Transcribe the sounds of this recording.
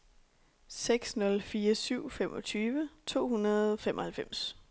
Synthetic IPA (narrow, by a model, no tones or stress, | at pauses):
seɡ̥snɔ̽lfiːɐsyʊ̰femʔɒ̽t͡sʰyːʋət͡sʰo̝̰ːhunɐðˠfemʔɒ̽hælfem̰s